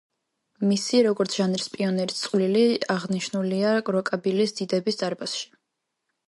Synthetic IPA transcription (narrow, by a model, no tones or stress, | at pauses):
misiɾɔɡɔɾt̪sʰʒ̥anɾispʼiɔnɛɾist̪sʼwliliaʁniʃnuliaɡɾɔkʼabilisd̪̥id̪ɛbisd̪aɾbasʃi̥